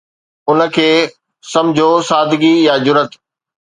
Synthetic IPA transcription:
ʊnə̆kʰeː | sɐ̃mɪd͡ʑʱosaːd̪ʱɪɡijad͡ʑʊɾət̪

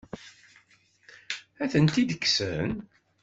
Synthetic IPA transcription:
æθənt̪id̪əkːsən

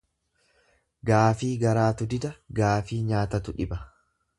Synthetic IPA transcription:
ɡaːfiːɡɐɾaːt̪ʊd̪ɪd̪ɐɡaːfiːɲaːt̪ɐt̪ʊᶑɪbɐ

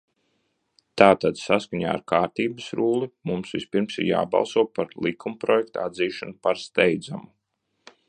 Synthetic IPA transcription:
t̪aːt̪ad̪saskaɲa̰ːa̰ɾkaːɾt̪iːbəsɾuːlˠimumsvispiɾmsḭɾja̰ːbɑ̰lˠsuɔpaɾlˠikʰumpɾɔjɛk̚t̪uad̪ziːʃanupaɾst̪ɛjd̪zamu

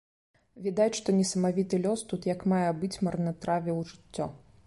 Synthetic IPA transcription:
vʲid̪at͡sʲʂt̪ɔnʲɛsɐmavʲit̪ɨlʲɔst̪ut̪jɐkmajɛbɨt͡sʲmɐrnɐt̪ɾavʲɛwʐɨt͡sʲːɔ

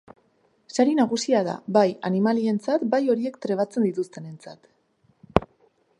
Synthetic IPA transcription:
saɾinaɣ̞usiaða̰bajanimalie̞nt͡sat̪bajo̞ɾie̞kt̪ɾe̞β̞at͡se̞nd̪it̪ust̪e̞ne̞nt͡sa̰t̪

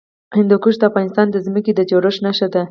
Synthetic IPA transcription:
hɪnd̪ukuʃd̪əafɣɑnɪst̪ɑnd̪əzməked̪ət͡ʃoɾəʃnaʃad̪a

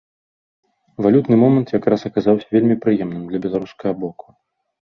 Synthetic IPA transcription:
valʲut̪nɨmɔmɐnt̪jakɾasɐkazawsʲɐvʲelʲmʲipɾɨjɛmnɨmd̪lʲɐbʲɛlˠaɾuskɐɣɐbɔku̥

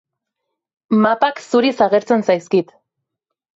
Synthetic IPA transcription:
mapaksuɾisaɣe̞ɾt͡se̞nsajskit̪

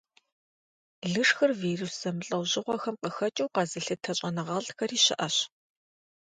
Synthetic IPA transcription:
ɮɨʂxɐrviːrusz̥ɐmɨɬʼɐwʑɪʁʷɔxɐmqəxɐt͡ʃʼɐwqɑzɨɬɨtʰɐɕʼɐnɨʁɑːɮtxɐɾiːɕɪ̰ʔɐɕ

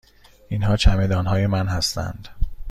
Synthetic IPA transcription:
ʔinɦɒːt͡ʃʰæme̞d̪ɒːnɦɒːje̞mænhæst̪ʰæ̰nd̪̥

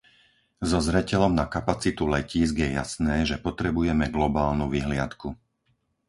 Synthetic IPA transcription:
zɔzɾɛcɛlɔmnakapat͡sit̪ulɛciːzɡjɛja̰snɛːʒɛpɔt̪ɾɛbujɛmɛɡlɔbaːlnuʋiɦlɪat̪ku

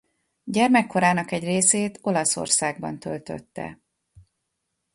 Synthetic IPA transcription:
ɟɛrmɛkːo̞ɾaːnɒkɛɟreːseːt̪ʰo̞lɒso̞̰rsaːɡ̚bɒ̰nt̪ølt̪ø̰t̪ːɛ̰

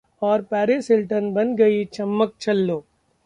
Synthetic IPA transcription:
ɔːɾpɛːɾesɪlʈənbɐnɡɐit͡ʃɐmːək̚t͡ʃɐlːoː

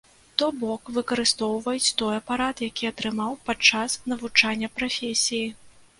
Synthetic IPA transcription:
t̪ɔbɔkvɨkɐɾɨst̪ɔwvɐjut͡sʲt̪ɔjɐpaɾat̪jakʲiɐt̪ɾɨmawpat͡ʂːasnɐvut͡ʂanʲːɐpɾafʲesʲiji

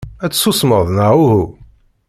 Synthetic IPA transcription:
æt͡sːsusməðˤnəʁuhu

